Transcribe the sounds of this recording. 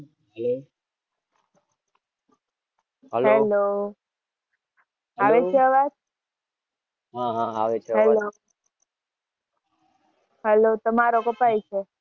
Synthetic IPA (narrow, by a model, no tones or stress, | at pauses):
ɦɦɛlo | aʋet͡ʃʰeəʋat̪ | ɦaɦaaʋeɦɛlo | ɦɛlot̪əmaɾokəpajt͡ʃʰe